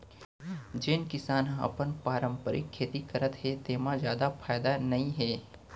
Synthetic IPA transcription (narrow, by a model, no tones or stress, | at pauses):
d͡ʒenkɪsaːnɦãɐ̰pənpaːɾə̃mpəɾʔɪ̰kʰːeːt̪ikɐɾət̪ɦɛt̪eːmãzjaːd̪afʰaːjd̪anɐɦĩɦɛː